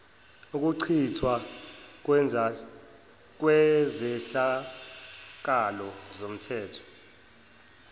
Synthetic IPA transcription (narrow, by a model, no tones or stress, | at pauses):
uk̬ʼuǀʰitʰwak̬wɛa | k̬wɛzɛɬa | k̬alɔzom̩tʰɛːtʰɔ̥